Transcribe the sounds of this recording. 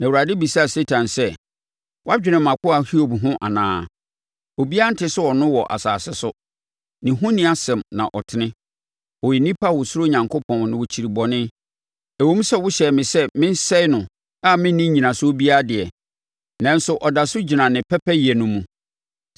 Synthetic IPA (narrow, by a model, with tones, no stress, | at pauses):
nã˨u˨ɾa˨dɪ˦bi˨sa˦a˨se˦tʰã˨nsɛ˦ | wa˦d͡ʑᶣɪ˨nɪ̃˨mã˨kʊ˦a˨hi˦o˨bɦʊ̃˦ʔa̰˨nã̰ː˨˦ | o˨bi˦a˦n̩˦tʰɪ˦sʊ˦ɔ˨nʊ̃˦wɔ˨ʔa̰˨saː˨sɪ˦sʊ˦ | nɪ̃˨ɦʊ̃˦nĩ˦a˨sɛ̃˨mnã̰˨ʔɔ˨tʰɪ˨nɪ̃˦ | ɔ˨jɪ˨nĩ˦pʰa˦wɔ˨su˦ɾo˦ɲã˨ŋkʰo˦pʰɔ̃˨nnɪ̃˨wʊ˨t͡ɕʰi˨ɾi˨bɔ˨nɪ̃˦ | æ˨wõ˦m˦sɛ˦˨wʊ˦ɕɛ˨mɪ̃˨sɛ˦mɪ̃˦n̩˦sɛ˦ɪ˦nʊ̃˨ | a˦mɪ̃˦n˦nːɪ̃˦ɲĩ˨nã˨sʊ˦o˦bi˦a˦dɪ˨ɛ˨ | nã˦n̩˦sʊ˨ʔɔ˨da˨sʊ˦d͡ʑi˨nã˨nɪ̃˨pʰɛ˦pʰɛ˦jɛ˨nʊ̃˨mũ˨